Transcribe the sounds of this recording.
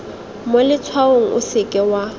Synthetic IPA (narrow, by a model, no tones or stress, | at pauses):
molɪt͡sʰwaoŋ̩ʔʊ̰sɪkʼɛwa